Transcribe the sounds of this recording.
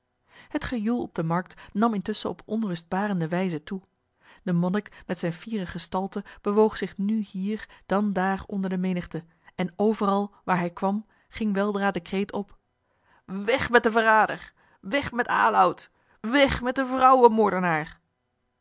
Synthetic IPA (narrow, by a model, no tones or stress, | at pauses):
hətχəjulˠɔb̚dəmɑɹk̚tnɑmɪntɵsəɔpɔnrɵsd̚baːrəndəʋɛjzətu | d̥əmɔnɪkmɛtsɛjnviːrəχəstɑlˠtəb̥əʋowχsɪχnyhiːɹd̥ɑndaːrɔndəɹdəmejnəχtə | ɛnowvərɑlˠʋaːɹɦɛjkʋɑm | χɪŋʋɛlˠdraːdəkrejtʰɔp | ʋɛχmɛt̚dəvəraːdəɹ | ʋɛχmɛta̰ːlʌwt | ʋɛχmɛt̚dəvrʌwəmɔɹdənaːɹ